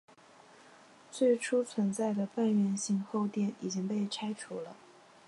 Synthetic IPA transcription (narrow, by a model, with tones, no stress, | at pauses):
t͡swe˥˩ɪʈ͡ʂʰu˥t͡sʰwə˧˥nt͡sa˥˩ɪd̪ə˩pa˥˧nɥɛ˥˧nɕi˥˧ŋxo˥˧ʊt̪jɛ˥˩ni˨˩t͡ɕi˥ŋpe˥˩ɪʈ͡ʂʰa˥ɪʈ͡ʂʰu˧˥lə̰˧